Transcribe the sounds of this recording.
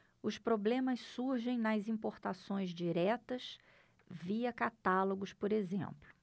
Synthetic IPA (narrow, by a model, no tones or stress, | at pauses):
ʊspɾoblẽmɐssuɾʒẽj̃nɐzĩpoɾt̪asõj̃zd͡ʒiɾɛt̪ɐs | viɐkat̪aloɡʊspoɾezḛ̃mplʊ